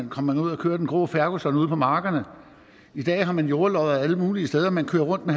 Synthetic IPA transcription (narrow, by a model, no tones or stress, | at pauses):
nkʰɒ̽m̰mænuð̞̰ˠɐkʰø̰ːɐden̩ɡ̥ʁo̝̰ːfæɐɡ̥osɒ̽nuð̞ˠpʰɒ̽mɑ̈ːɡ̥ɐnə | id̥ɛ̰ːɦɑ̈mænjo̝ːɐlɒ̽ʊðˠæləmuːliəsd̥eð̞ˠɐmænkʰø̰ːɐʁɔ̽n̰d̥̚me